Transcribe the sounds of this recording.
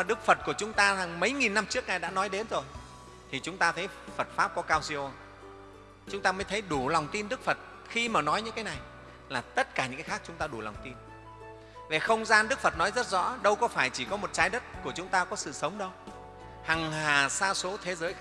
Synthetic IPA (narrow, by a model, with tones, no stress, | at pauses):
a˨˩ɗɨ˦˥k̚fə˨˩t̚ku˧˩ət͡ɕʊ˨˦ŋ͡mt̪aː˧za˨˩ŋmə˨˦jŋi˨˩nːa˧mt͡ɕɨ˦˥ək̚na˨˩jɗa̰ː˧˥nɔ˨˦jɗe˨˦nzo˨˩j | t̪ʰi˨˩t͡ɕʊ˨˦ŋ͡mt̪aː˧t̪ʰə˨˦jfə˨˩t̚faː˦˥p̚kɔ˨˦kaː˧wsi˧ʔo˧ | t͡ɕʊ˨˦ŋ͡mt̪aː˧məː˨˦jt̪ʰə˨˦jɗu˧˩la˨˩wŋ͡mt̪i˧nɗɨ˦˥k̚fə˨˩t̚ | xi˧maː˨˩nɔ˨˦jɲɨ̰˧˥ŋkaː˨˦jna˨˩j | laː˨˩t̪ə˦˥t̚kaː˧˩ɲɨ̰˧˥kːaː˨˦xaː˦˥k̚t͡ɕʊ˨˦ŋ͡mt̪aː˧ɗu˧˩la˨˩wŋ͡mt̪i˧n | ve˨˩xə˧wŋ͡mzaː˧nɗɨ˦˥k̚fə˨˩t̚nɔ˨˦jzə˦˥t̚zɔ̰˧˥ɗə˧wkɔ˨˦faː˧˩jt͡ɕi˧˩kɔ˨˦mo˨˩t̚t͡ɕaː˨˦jɗə˦˥t̚ku˧˩ət͡ɕʊ˨˦ŋ͡mt̪aː˧kɔ˨˦sɨ̰˧˨sə˨˦wŋ͡mɗə˧w | ha˨˩ŋhaː˨˩saː˧so˨˦t̪ʰe˨˦zəː˨˦j